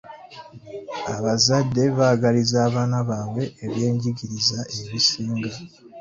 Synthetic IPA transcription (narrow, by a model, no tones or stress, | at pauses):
aβazadːe̞βaɡalizaːβaːnaβaːβwe̞ːβje̞ːɲɟiɟiɾizaʔe̞βisiːŋɡa